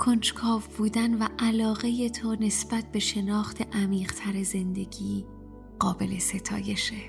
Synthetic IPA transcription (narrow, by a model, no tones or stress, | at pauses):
kʰont͡ʃkʰɒːvbuːd̪ænvæʔælɒːɣe̞je̞t̪ʰone̞sb̥æt̪̚ʰb̥e̞ʃe̞nɒːxt̪ʰe̞ʔæmiːɢt̪ʰæɾeze̞nd̪e̞ɡiː | ɢ̥ɒːbe̞le̞se̞t̪ʰɒ̰ːje̞ʃe